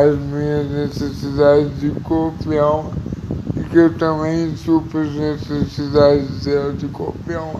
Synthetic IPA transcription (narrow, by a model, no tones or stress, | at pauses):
ɐʒmiɲɐʒnɨsɨsiðad̪ʒd̪ɨkopiɐ̃w̃ | ikewt̪ɐmɐ̃j̃supɾɐʒnɨsɨsiðad̪ʒd̪ɛld̪ɨko̰piɐ̃w̃